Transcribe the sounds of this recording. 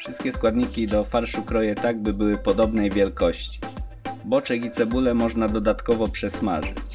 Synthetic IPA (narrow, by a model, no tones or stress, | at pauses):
fʂɘ̥st̪̚kʲɛskwad̪ɲikʲid̪ɔfaɾʂukɾɔjɛt̪aɡ̚bɘbɘwɘpɔd̪ɔbnɛjvʲjɛlkɔɕt͡ɕi̥ | bɔt͡ʂɛɡʲit̪sɛbulɛmɔʐnad̪ɔd̪at̪kɔvɔpʂɛsma̰ʐɘ̰t͡ɕ